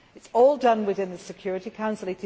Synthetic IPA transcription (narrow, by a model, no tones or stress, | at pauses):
ɨtsɔlˠdʌ̃nwɪðɪ̃nðəsɨkʰj̥ɔːɹɨɾikʰãʊ̃nsəl̩ˠɪtɪ